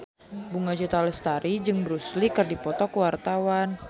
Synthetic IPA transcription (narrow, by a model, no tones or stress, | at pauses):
buŋad͡ʒət̪aləst̪aɾid͡ʒɨŋbəɾuslikɨrdipɔt̪ɔkəwart̪awan